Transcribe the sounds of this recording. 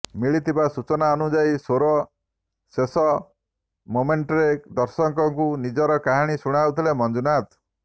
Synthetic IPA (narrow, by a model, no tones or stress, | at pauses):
miɭit̪ʰibasut͡ʃɔnaɔnud͡ʒajsoɾɔ | sesɔ | momeɳʈɔɾed̪ɔɾsɔŋkɔŋkunid͡ʒɔɾɔkaɦaɽ̃isuɽ̃awt̪ʰilemɔnd͡ʒunat̪